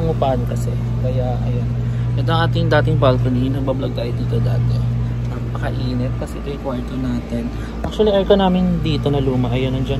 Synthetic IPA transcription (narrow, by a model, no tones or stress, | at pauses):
ɐŋʊpankɐsɛ | kɐjaʔɐjonʔɛt̪oɐŋʔaːt̪ɪŋd̪aːt̪ɪŋbalkonijɪnɐɡbɐblɐɡ̚t̪aːʔɪd̪iːt̪od̪aːt̪ɛnɐpɐkɐʔiːnɛt̪̚kɐsɛʔɪt̪ojɐkwaɹt̪onaːt̪ɛn | ʔak̚t͡ʃuɐliʔɐɹkɐnaːmɪnd̪iːt̪o̞nɐluːmɐʔɐjonɐŋd͡ʒɐn